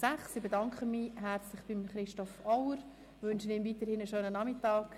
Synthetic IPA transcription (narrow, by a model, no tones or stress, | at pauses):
sæχsibedɑŋkʰχənmiːɦæɾt͡slɪχb̥imχɾɪʃtɔfɔwəɾ | ʋʏnʃənɪmviːtəɾhɪnəʃøːnənɑmɪtɑːk